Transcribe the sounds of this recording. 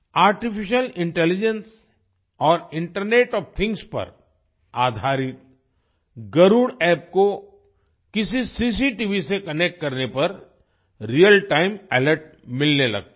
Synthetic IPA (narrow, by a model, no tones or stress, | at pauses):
aːɾʈɪfɪʃəlɪ̃ɳʈɛːlɪd͡ʒə̃ns | ɔːɾɪ̃ɳʈəɾneːʈɔːft̪ʰɪ̃ŋɡspɐ̰ɾ | aːd̪ʱaːɾɪt̪̚ | ɡɐɾuːɽɛːp̚ko | kɪsisis̬iʈiʋisekɐnek̚ʈ̚kɐɾnepɐɾ | ɾijəlʈaːɪmɛːləɾʈmɪlnelɐ̰ɡ̚t̪a